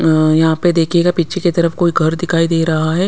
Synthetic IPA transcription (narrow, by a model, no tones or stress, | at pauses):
jɐɦãped̪eːkʰeːɡapitːʃʰeket̪ɐɾəfkoːiɡʱɐɾd̪ɪkʰaːid̪eːɾɐɦaɦɛː